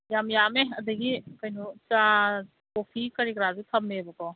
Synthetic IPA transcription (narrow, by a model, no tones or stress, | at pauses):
jamjameɐd̪ɐɡikajnut͡ʃa | kopʰikɐɾikɾazut̪ʰɐmːebɐkaw